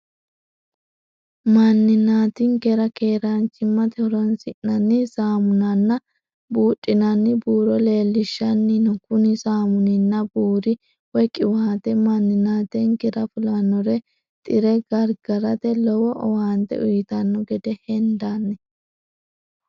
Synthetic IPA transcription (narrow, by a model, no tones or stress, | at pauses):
mɐnːɪnaːt̪ɪŋkɛɾɐkeːɾant͡ʃːɪmːɐt̪ɛhɔɾɔnsɪʔnɐnːɪsaːmʊnɐnːɐ | buːtʼːɪnɐnːɪbuːɾɔle̞ːlːɪʃːɐnːɪnɔkʊnɪsaːmʊnɪnːɐbuːɾɪ | wɔkʼːɪwat̪ɛmɐnːɪnaːt̪ɛŋɡɛɾɐfʊlɐnːɔɾɛ | t̪ʼɪɾɛɡɐɾɡɐɾɐt̪ɛlɔwɔʔɔwaːnt̪ɛ̰ʊjɪt̪ɐnːɔɡɛd̪ɛhɛnd̪anːɛ